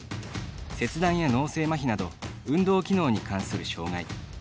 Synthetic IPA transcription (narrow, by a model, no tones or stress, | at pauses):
se̞t͡sɨd̪ãɰ̃jano̞ːse̞ːmaçʲinad̪o̞ | ɯ̟̃nd̪o̞ːkʲino̞ːɲ̟ikãɰ̃sɨɾɯ̟ɕo̞ːŋai